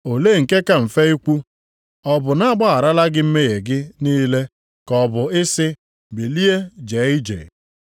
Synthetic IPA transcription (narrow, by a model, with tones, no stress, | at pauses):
o˨leː˦˨ŋ̩˨ke˦ka˨m̩˨fe˦i˦kʷu˦ | ɔ˦bʊ˨na˦a˦ɡ͡ba˦a˨ɾa˦la˦ɡɪ˦m̩˦me˦ɣe˨ɡɪ˦niː˦le˦ | kɔ˨bʊ˨ɪ˦sɪ˦ | bi˨li˦e˦d͡ʒe˨˦ɪ˦d͡ʒḛ˨